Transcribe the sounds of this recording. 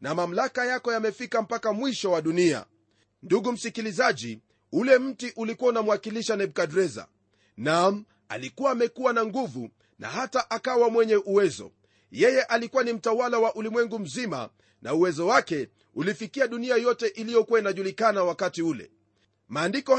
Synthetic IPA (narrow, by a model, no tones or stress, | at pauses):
namam̩lakajakɔjamɛfikam̩pakamwiʃɔwaɗunia̰ | nduɠum̩sikilizaʄi | ulɛm̩tiʔulikuwaunam̩uwakiliʃanɛɓ̚kadɾɛza̰ | nam̩ | a̰likuwaːmɛkuwanaŋɡuvṵ | na̰hataʔakawamwɛɲɛʔuwɛzɔ̰ | jɛjɛʔalikuwanim̩tawalawaʔulimwɛŋɡum̩zima̰ | nauwɛzɔwakɛ | ulifikiaɗuniajɔtɛʔilijɔkuwainaʄulikanawakatiulɛ̰ | maːndikɔ